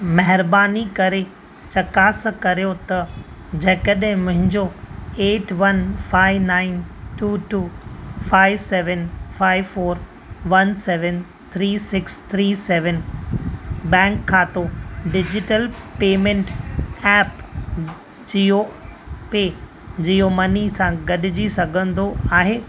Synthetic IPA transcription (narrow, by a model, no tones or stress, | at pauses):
mɐɦɪɾbaːnikɐɾe | t͡ɕɐkaːskɐɾijot̪ɐ | d͡ʑɐkəɗɦɪ̃mʊ̃ɦɪ̃ɲd͡ʑoeːʈʋɐnfaːɪʋnaːɪnʈuːʈuːfaːɪʋsɛːʋənfaːɪʋfoːɾ | ʋɐnsɛːʋən | t̪ʰɾiːsɪkst̪ʰɾiːsɛːʋən | bɛ̃ːŋkʰːaːt̪oɖɪd͡ʑɪʈəlpeːmẽɳʈɛːp | d͡ʑijo | peː | d͡ʑijomɐnisãɡɐɗɪd͡ʑisɐɡʱə̃nd̪oaːɦeː